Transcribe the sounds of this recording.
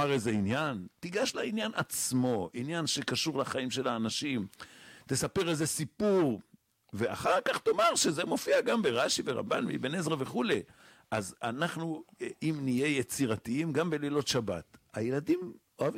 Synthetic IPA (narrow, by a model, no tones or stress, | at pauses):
aʁeze̞injant̪iɡaʃlainjanat͡smo̞ʔinjanʃe̞kaʃuʁlaχaimʃe̞laːnaʃimt̪e̞sape̞ʁeze̞sipuʁ | ve̞a̰χaʁkaχt̪o̞maʁʃe̞ze̞mo̞fiaɡambeʁaʃiveʁa̰mba̰nmḭbenezʁaveχule̞ | azanaχnuimnije̞jet͡siʁat̪iimɡambe̞lilo̞tʃaba̰t̪ajeladim | oavi